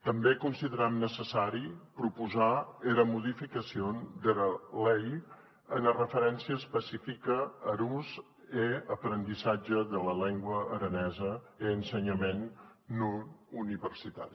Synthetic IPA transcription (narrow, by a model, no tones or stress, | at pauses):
t̪əmbekunsiðəɾamnəsəsaɾipɾupuzaeɾəmuðifikəsiond̪əɾəlej | ənərəfəɾɛnsiəːspəsifikəːɾuz | eəpɾənd̪izad͡ʒəðələlɛŋɡwəːɾənɛzə | eənsəɲəmenːuuniβərsit̪a̰ɾi